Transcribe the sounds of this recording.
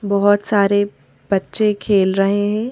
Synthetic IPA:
bɔɦʊt̪saːɾe | b̥ɐtːʃekʰeːlɾɐɦeɦɛ̃ː

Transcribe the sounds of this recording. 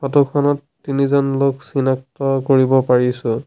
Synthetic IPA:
kʰɔtɔkʰɔnɔtːinizɔnloksinak̚tɔkoɹibɔpaɹisʊ

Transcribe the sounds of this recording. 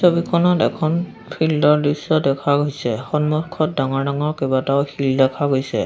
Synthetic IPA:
sobikʰɔnɔtɛ̰kʰɔn | pʰildɔɹdisːɔdɛkʰaɡojsɛxɔnmɔkʰɔt̚daŋɔɹdaŋɔɹkebataʊxildɛkʰaɡojsɛ̰

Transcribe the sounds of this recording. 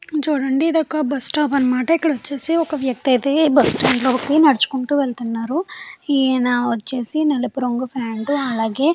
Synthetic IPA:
d͡ʒoɽɐɳɖid̪ɐkːɐbɐsʈaːpɐnmaːʈekɐɽot͡ʃːesiokɐʋjɐk̚t̪ɐid̪ebɐsʈɐɳɖlobɐkːinɐɽt͡ʃu̥koɳʈuʋelt̪ɐnːaɾuienaot͡ʃːesinɐlepɾoŋɡupʰaːɳɖuɐlɐɡe

